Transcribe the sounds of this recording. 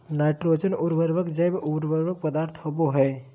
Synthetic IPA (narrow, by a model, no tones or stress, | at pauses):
naːɪʈɾoːt͡ʃənʊɾʋəɾʋəkd͡ʒəjbʊɾʋəɾʋək̚pəd̪aːɾt̪ʰɦoboɦɛː